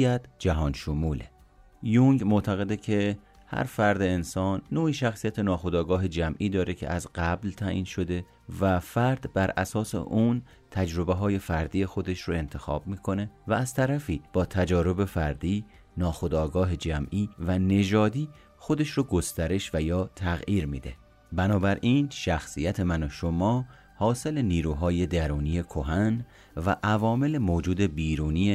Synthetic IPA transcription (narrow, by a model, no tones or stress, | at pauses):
æt̪d͡ʒæɦɒːnʃomuːle | juŋɡmot̪ʰæɣe̞d̪ecʰe̞ | hæ̰ɾfæɾd̪e̞ːnsɒːnːoːiːʃæxsijæt̪ʰe̞nɒːxo̞d̪ɒːɡɒːɦe̞d͡ʒæmʔiːd̪ɒːɾecʰḛæzɢæblt̪ʰæʔiːnʃo̞d̪e̞ | væfæɾd̪̥bæɾæsɒːsḛʔun | t̪ʰæd͡ʒɾo̞beɦɒːje̞fæɾd̪iːje̞xo̞d̪e̞ʃroe̞nt̪ʰe̞xɒ̰ːb̚miːkʰo̞ne̞væːz̥t̪ʰæɾæfiːb̥ɒːt̪ʰæd͡ʒɒːɾo̞be̞fæɾd̪iː | nɒːxo̞d̪ɒːɡɒːɦe̞d͡ʒæmʔiːvæne̞d͡ʒɒːd̪iː | xo̞d̪e̞ʃɾoɡo̞st̪æɾe̞ʃvæjɒːt̪ʰæɣʔiːɾmḭd̪e̞̰ | bænɒːbæɾʔiːnʃæxsijæt̪ʰe̞mænoʃo̞mɒː | hɒːse̞le̞niːɾuːɦɒːje̞d̪æɾuːnije̞kʰo̞ɦæn | væʔævɒːme̞le̞moːd͡ʒuːd̪e̞biːɾuːnije